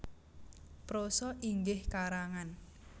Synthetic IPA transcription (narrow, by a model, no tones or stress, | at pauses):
pɾosɔʔiŋɡɪhkaɾaŋan